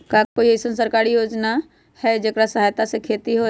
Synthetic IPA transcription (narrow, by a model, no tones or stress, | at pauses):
kakoiesənsəɾkaːɾijoːd͡ʒna | hɛd͡ʒəkɾasɐɦaːjt̪asekʰeːt̪iɦo